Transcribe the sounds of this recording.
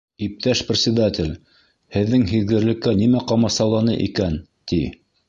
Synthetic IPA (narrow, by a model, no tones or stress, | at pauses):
ip̚t̪æʃprʲɪt̪ʲsʲɪd̪at̪ʲɪlʲ | hɘ̆ðːɘŋɦiðɡɘ̆ɾlɘ̆kːænimæqɑmɑsɑlˠɑnɤʔikæn | t̪i